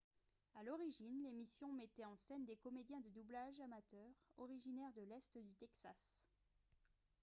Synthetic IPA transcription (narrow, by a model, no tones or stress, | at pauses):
alɔʁiʒinlemisjɔ̃mɛt̪ɛɑ̃sɛnd̪ekɔmed̪jɛ̃d̪əd̪ublaʒamat̪œːʁɔʁiʒinɛʁd̪əlɛst̪d̪yt̪ɛksas